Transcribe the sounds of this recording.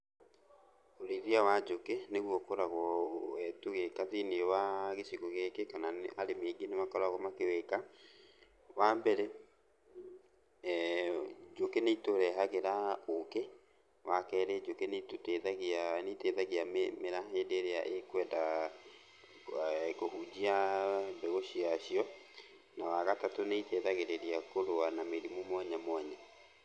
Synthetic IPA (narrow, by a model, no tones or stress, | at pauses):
oɾeɾiawad͡ʒokeneɣwɔkoɾaɣɔɛtuɣekaðinewaɣesiɣoɣekekanaʔaɾemeɡenemakɔɾaɣɔmakeweka | wambɛɾɛ | d͡ʒokeneitoɾɛɦaɣeɾaoke | wakɛɾed͡ʒokeneitoteðaɣianeteðaɣiammeɾaɦedeɾea̰ʔekwɛnda | kohud͡ʑiambeɣoɕiaɕiɔ | nawaɣatatoneiteðaɣeɾeɾiakoɾoanameɾimomwɛɲɛmwɛɲɛ